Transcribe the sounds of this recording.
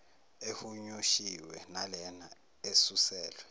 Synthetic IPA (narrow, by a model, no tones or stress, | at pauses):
ehuɲuʃiwɛnalɛna | esusɛːlwɛ